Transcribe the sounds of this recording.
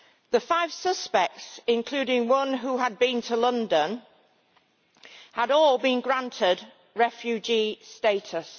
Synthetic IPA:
ðəfaɪv̥sʌspɛk̚tsɪ̃nkʰl̥ʉːɾɪ̃ŋwʌ̃nɦuəd̚bĩntʰəlʌ̃ndə̃n | həɾɔːlˠbĩnɡɹãntʰɪd | ɹɛfjʉd͡ʒisteɪtʰəs

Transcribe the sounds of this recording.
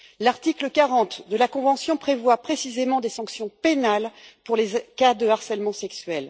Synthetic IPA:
laʁt̪ikləkaʁɑ̃t̪d̪əlakɔ̃vɑ̃sjɔ̃pχevwapχesizemɑ̃d̪esɑ̃ksjɔ̃penalpuʁlezkad̪əaʁsɛlmɑ̃sɛksɥɛl

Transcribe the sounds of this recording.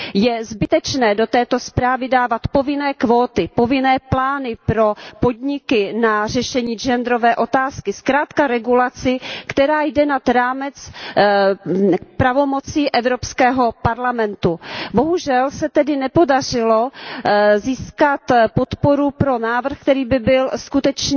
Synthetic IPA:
jɛzbɪt̪ɛt͡ʃnɛːdo̞t̪ɛːt̪o̞spɾaːvɪdaːvat̪po̞vɪnɛːkvoːt̪ɪpovɪnɛːplaːnɪpɾo̞po̞dɲɪkɪnar̝ɛʃɛɲiːd͡ʒɛnd̪ɾovɛːʔo̞t̪aːskɪskɾaːt̪kaɾɛɡulat͡sɪkt̪ɛɾaːjdɛnat̪ɾaːmɛt͡s | pɾavo̞mot͡siːʔɛvɾopskɛːɦo̞paɾlamɛnt̪ubo̞ɦuʒɛlsɛt̪ɛdɪnɛpo̞darɪlo | ziːskat̪po̞t̪po̞ɾupɾo̞naːvr̩xkt̪ɛɾiːbɪbɪlskut̪ɛt͡ʃ

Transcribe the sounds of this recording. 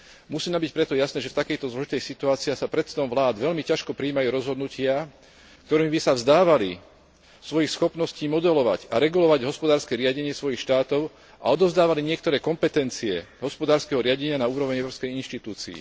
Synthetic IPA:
musiːnambic̚pɾɛt̪ɔjasnɛːʒɛft̪akɛjt̪ɔzlɔʒit̪ɛjsit̪uaːt͡siaxsapɾɛt̪t͡sɛd̪ɔmʋlaːd̪ʋɛlmicaʃkɔpɾiːmajuːɾɔzɦɔd̪nucɪa | kt̪ɔɾiːmbisavzd̪aːʋali | sʋɔjixsxɔpnɔsciːmɔd̪ɛlɔʋa̰ɟaɾɛɡulɔʋaɟɦɔspɔd̪aːɾskɛɾɪaɟɛɲɪɛsʋɔjixʃt̪aːt̪ɔʊ | ʔa̰ɔd̪ɔʊzd̪aːʋaliɲɪɛk̚t̪ɔɾɛːkɔmpɛt̪ɛnt͡siɛɦɔspɔd̪aːɾskɛɦɔɾɪaɟɛɲɪanauːɾɔʋɲɛʊɾɔːpskɛjinʃt̪it̪uːt͡sḭḭ

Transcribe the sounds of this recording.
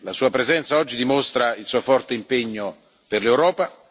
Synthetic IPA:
lasuːapɾezɛnt̪saɔd͡ʒːid̪imost̪ɾailsuːofɔrt̪eimpeɲːo | perlewɾɔːpa

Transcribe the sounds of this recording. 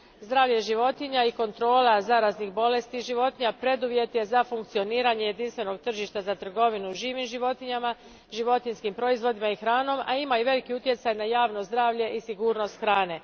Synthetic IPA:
zd̪ɾaːʋʎaʒiʋo̞t̪iɲaiko̞nt̪ɾo̞ːlazaɾaznixbo̞le̞st̪iʒiʋo̞t̪iɲapɾe̞d̪uʋje̞t̪je̞zafuŋkt̪sio̞niːɾaɲeje̞d̪inst̪ʋe̞no̞ɡt̪r̩ʒiʃt̪azat̪r̩ɡo̞ʋinuʒiːʋimʒiʋo̞t̪iɲama | ʒiʋo̞t̪inskimpɾo̞izʋo̞d̪imaixɾaːno̞ma̰imaiʋe̞likiut̪je̞t̪sajnajaːʋno̞zd̪ɾaːʋʎe̞ʔisiɡuːɾno̞st̪xɾaːne̞

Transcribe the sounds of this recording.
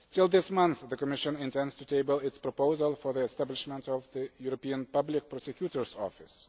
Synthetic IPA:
stɪlˠðɪsmʌ̃nθðəkɔmɪʃə̃nɪ̃ntɛ̃ndstuteɪbəlˠɪtspɹɔpoʊzəlˠfɔ˞ðiɛstæblɪʃmɛ̃ntɔvðəjuɾɔpiə̃npʌblɪk̚pɹɔsɛkjutəɹzɔ̰fɪs

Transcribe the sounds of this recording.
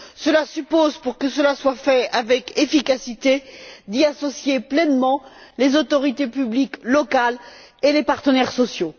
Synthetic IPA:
səlasypozpuʁkəsəlaswafɛavɛkefikasit̪ed̪iasɔsjeplɛnmɑ̃lezot̪ɔʁit̪epybliklɔkal | elepaʁt̪ənɛʁsɔsjo

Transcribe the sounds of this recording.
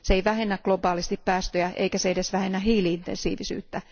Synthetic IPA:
seeiʋæhenːæɡ̥lobɑːlist̪ippæːst̪øjæʔḛikæseedesʋæhenːæɦiːliint̪ensḭːʋisy̰ːt̪ːæ

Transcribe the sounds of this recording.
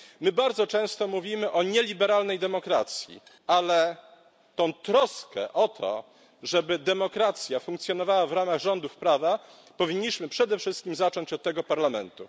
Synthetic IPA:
mɘbaɾd̪zɔt͡ʂɛ̃w̃st̪ɔmuvʲimɘʔɔɲɛlʲibɛɾalnɛjd̪ɛmɔkɾa̰t̪sʲjḭ | alɛ | t̪ɔ̃w̃t̪ɾɔskɛ̰ʔɔt̪ʰɔ̰ | ʐɛbɘd̪ɛmɔkɾat̪sʲjafuŋkt̪sʲjɔnɔvawavɾamaɣʐɔnd̪ufpɾava | pɔvʲiɲːiɕmɘpʂɛd̪ɛfʂɘst̪̚kʲimzat͡ʂɔɲt͡ɕɔt̪ːɛɡɔpaɾlamɛnt̪ṵ

